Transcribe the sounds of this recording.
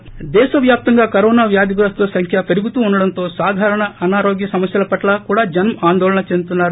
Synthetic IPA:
d̪ɛːʃɐʋjaːp̚t̪ɐŋɡaːkɐɾoːnaːʋjaːd̪iɡuɾɐst̪oːsɐŋkʰjɐpɐɾiɡut̪uuɳɖɐɽɐnt̪o̞ːsaːd̪ʱaːɾɐɳɐɐnaːɾoːɡjɐsɐmɐsjɐlɐpɐʈlɐkuːɽaːd͡ʒɐnmaːnd̪ɔːlɐɳɐt͡ʃend̪ut̪unːaːɾu

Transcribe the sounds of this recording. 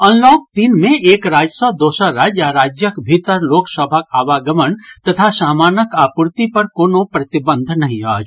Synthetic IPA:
ə̃nloːk̚t̪inmẽʔeːkɾaːd͡ʒsəwd̪oːsəɾaːd͡ʒjaɾaːd͡ʒjəkbʱit̪əɾloːksəbʱakaːʋaɡəmənt̪ɐt̪ʰasaːmaːnəkaːpuɾt̪ipɐɾkoːnopɾɐt̪ɪbə̃nd̪ʱnɐɦĩaːd͡ʒ

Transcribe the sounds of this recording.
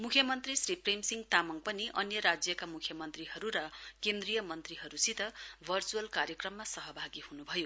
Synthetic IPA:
mukʰjʌmʌnt̪risriprejmsiŋɡt̪amʌŋpʌniʔʌnjʌɾad͡zjʌkamukʰjʌmʌnt̪riɦʌɾuɾʌkend̪rijʌmʌnt̪riɦʌɾusit̪ʌbʱʌrt͡suʌlkarjʌkrʌmːasʌɦʌbʱaɡihunubʱʌjo

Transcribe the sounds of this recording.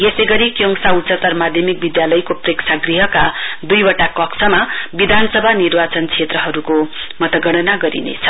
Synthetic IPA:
jesejɡʌɾikjoŋsaut͡sʌt̪ʌrmad̪ʱjʌmik̚bid̪jalʌjkopreksʰaɡriɦʌkad̪ujbʌʈakʌksʌmabid̪ʱansʌbʱanirbat͡sʌnkt͡sʰet̪rʌɦʌɾuko | mʌt̪ʌɡʌɽ̃ʌnaɡʌɾḭnḛt͡sʰʌ̥

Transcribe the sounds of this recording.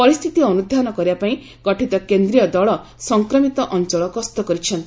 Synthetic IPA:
pɔɾist̪ʰit̪iɔnud̪ʱanɔkɔɾjapaĩ | ɡ̥ɔʈʰit̪ɔkend̪ɾijɔd̪ɔɭɔ | sɔŋkɾɔmit̪ɔʔɔnt͡ʃɔɭɔkɔst̪ɔkɔɾit͡ʃʰɔnt̪i

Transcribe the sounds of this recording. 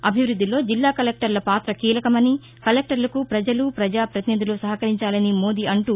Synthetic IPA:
ɐbʱiʋɾud̪ːilo̞ːd͡ʒilːaːkɐlek̚ʈɐɾlɐpaːt̪ɾɐkiːlɐkɐmɐni | kɐlek̚ʈɐɾlɐkupɾɐd͡ʒɐlupɾɐd͡ʒaːpɾɐt̪inid̪ulusɐɦɐkɐɾiɲt͡ʃaːlɐnimo̞ːd̪iɐɳʈu

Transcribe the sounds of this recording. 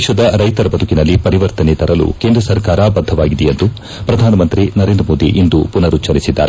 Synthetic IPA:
ʃɐd̪ɐɾɐjt̪ɐɾɐbɐd̪ʱukinɐlːipɐɾiʋɐɾt̪ɐnet̪ɐɾɐlṵke̞ːnd̪ɾɐsɐɾkaːɾɐbɐd̪ʱːɐʋaːɡid̪ɛjend̪u | pɾɐd̪ʱaːnɐmɐnt̪ɾinɐɾe̞ːnd̪ɾɐmo̞ːd̪ḭʔind̪upunɐɾut͡ʃɐɾisid̪ːa̰ːɾe

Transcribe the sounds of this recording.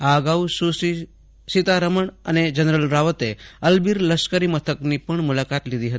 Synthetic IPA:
aɡaususi | sit̪aɾəməɳə̰ned͡ʒənɾəlɾaʋət̪eəlbiɾləskəɾimət̪ʰəkniːpəɳmulakat̪lid̪iɦət̪i

